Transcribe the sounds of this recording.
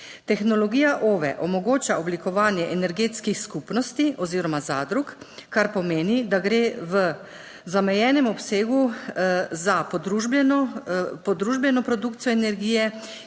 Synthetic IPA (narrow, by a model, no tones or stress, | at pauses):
t̪ɛxnɔlɔɡiːjaʔoʋɛ̰ʔɔmɔɡoːt͡ʃaɔblikɔʋaːnjɛʔɛnɛɾɡeːt̪skixskupnɔst̪iɔziːɾɔmazad̪ɾukːaɾpɔmeːnid̪aɡɾeʋə | zamɛjɛːnɛmɔpseːɡu | zapɔd̪ɾuʒbɛnɔpɔd̪ɾuʒbjɛnɔpɾɔd̪uːkt̪ijɔɛnɛɾɡiːjɛ